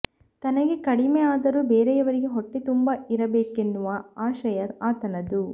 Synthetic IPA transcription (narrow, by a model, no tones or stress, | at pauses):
t̪ɐnɐɡe̞kɐɽimeaːd̪ɐɾuːbeːɾɛjɐʋɐɾiɡeɦoʈːit̪umbɐiɾɐbeːkenːuʋɐaːʃɐjɐaːt̪ɐnɐd̪u